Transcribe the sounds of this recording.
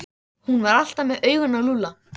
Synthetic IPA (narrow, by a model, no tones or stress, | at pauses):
hunvaɾal̥t̪amɛðœːɥɣʏnːaluːla